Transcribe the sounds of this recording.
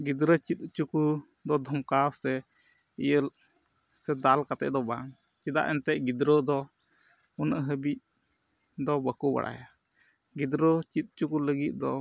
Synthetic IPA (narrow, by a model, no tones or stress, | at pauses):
ɡid̪ɾət͡ʃit̪̚t͡ʃuku | d̪ɔd̪ʱɔmkasɛ | ijəl | sɛd̪alkat̪ɛ̰ʔd̪ɔbaŋ | t͡ʃit̪a̰ʔɛnt̪ɛʔ̚ɡid̪ɾəd̪ɔ | unəʔɦəbiʔ̚ | d̪ɔbəkuba̰ɽʔa̰ja | ɡid̪ɾət͡ʃit̪̚t͡ʃukuləɡit̪̚ˀd̪ɔ